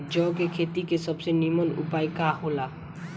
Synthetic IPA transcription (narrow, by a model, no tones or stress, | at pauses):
d͡ʒɔkekʰet̪ikesəbsenimənṵpajkaɦola